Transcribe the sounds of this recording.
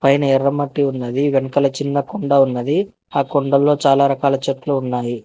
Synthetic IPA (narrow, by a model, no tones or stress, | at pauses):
pɐjnɐɛrːɐmɐʈːiunːɐd̪iʋenɐkɐlɐt͡ʃinːɐkoɳɖɐunːɐd̪i | aːkoɳɖɐlːo̞ːt͡ʃaːlaːɾɐkaːlɐt͡ʃɐt̪luunːaːji